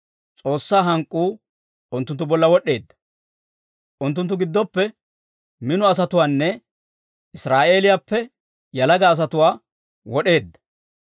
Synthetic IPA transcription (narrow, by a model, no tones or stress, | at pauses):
t͡sʼo̞ːsːaːɦɐŋkʼːuː | ʊnt̪ːʊnt̪ːʊbɔlːɐwɔɗːe̞ːd̪ːɐ̥ | ʔʊnt̪ːʊnt̪ːʊɡɪd̪ːɔpːɛ | mɪnʊɐs̬ɐt̪ʊwaːnːɛ | ʔɪsɾaːʔe̞ːlɪjapːɛ | jɐlɐɡɐːs̬ɐt̪ʊwaː | wɔɗe̞ːd̪ːɐ̥